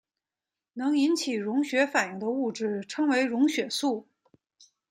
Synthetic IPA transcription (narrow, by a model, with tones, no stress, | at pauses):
nɤ˧˥ŋi˧˥nt͡ɕʰi˨˩ɻʊ˧˥ŋɕɥɛ˧˥fa˨˩nji˥˩ŋd̪ə˦u˥˧ʈ͡ʂɻ̩˥˩ʈ͡ʂʰɤ˥ŋwe˧˥ɪɻʊ˧˥ŋɕɥɛ˨˩su˥˩